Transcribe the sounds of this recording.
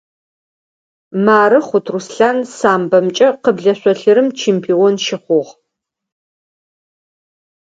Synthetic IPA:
maːɾɨχʷʊtʰrusɬaːnsaːmbɐmt͡ʃʼɐqəbɮɐɕʷɔɬɨɾɨmt͡ʃʰeːmpʰiːɔnʃɪχʷʊʁ

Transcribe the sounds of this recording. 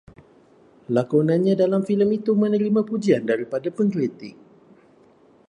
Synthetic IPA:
lakunãnɲãdalamfiləmit̪umə̃nəɾimãpud͡ʒiandaɾipadapəŋkɾit̪ɪk̚

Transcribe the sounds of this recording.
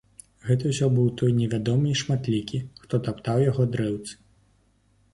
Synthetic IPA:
ɣɛt̪ɐwsʲɔbɨwt̪ɔjnʲɛvʲad̪ɔmɨiʂmat̪lʲikʲixt̪ɔt̪apt̪awjaɣɔd̪ɾɛwt̪sɨ̥

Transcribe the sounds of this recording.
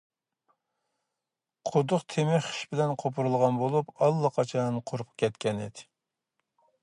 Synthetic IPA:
qʰod̪ʊqt̪ʰemɪχi̥ʃbɪlɛnqʰopʰuɾulˠʁɑnbolˠupɑlˠːɑqʰɑt͡ʃʰɑnqʰoɾp̚kʲʰɛt̪kʲɛnḭd̪ɪ̥

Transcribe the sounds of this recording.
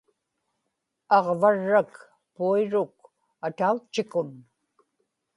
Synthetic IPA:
ɑʁvaɻːak | puiɻʊk̚ | at̪aut͡ʃːɪkʊn

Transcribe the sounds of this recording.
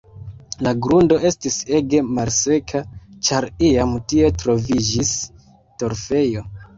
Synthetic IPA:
laɡɾundo̞ʔe̞stise̞ɡe̞malse̞kʰat͡ʃaɾiamtie̞tɾo̞vid͡ʒis | to̞ɾfe̞jo̞

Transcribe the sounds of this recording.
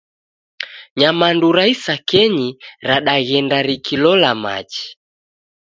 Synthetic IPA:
ɲamanduɾaisakɛɲiɾaɗaɣɛndaɾikʰilɔlama̰t͡ʃi̥

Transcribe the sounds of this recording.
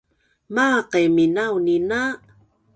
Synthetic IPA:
maqeminawnina

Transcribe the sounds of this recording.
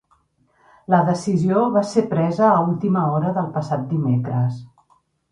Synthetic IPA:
ləðəsizioβasepɾɛzəːulˠt̪iməɔɾəðəlˠpəsat̪̚d̪imekɾəs

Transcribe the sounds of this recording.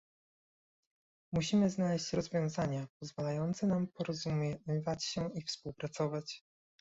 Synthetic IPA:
muɕimɘznalɛɕt͡ɕɾɔzvʲjɔ̃w̃zaɲapɔzvalajɔnt̪sɛnampɔɾɔzumvat͡ɕɕɛifspuwpɾat̪sɔvat͡ɕ

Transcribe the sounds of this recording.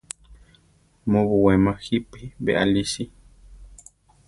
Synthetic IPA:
mõβuwemãhipibḛʔa̰liʃi

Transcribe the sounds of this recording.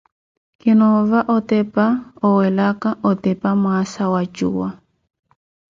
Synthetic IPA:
kɪnɔvaʔɔtɛpaɔwɛlakaʔɔtɛpamwasawat͡ʃṵwa

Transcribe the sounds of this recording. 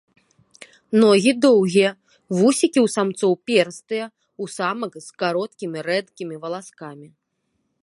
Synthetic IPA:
nɔɣʲid̪ɔwɣʲijɐ | vusʲikʲiwsamt̪sɔwpʲɛrst̪ɨjɐ | usamɐkskaɾɔt̪̚kʲimʲiɾɛd̪kʲimʲivɐlˠaskamʲi

